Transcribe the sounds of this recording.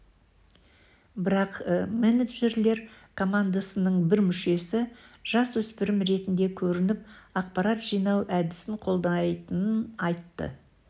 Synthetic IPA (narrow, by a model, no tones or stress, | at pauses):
bɪɾɑqmeneʒe̞ɾle̞ɾkʰo̞mand̪asənəɴbɪɾmʏʃe̞sɪʒ̥ɑswɵspɪɾɪmɾe̞t̪ɪnd̪e̞kʲʰɵɾɪnɪp̚ɑq̚pɑɾat̪ʒ̥ijnɑwʔæd̪ɪsɪɴqʰo̞lˠd̪ɑjt̪ənənɑjt̪ːə̰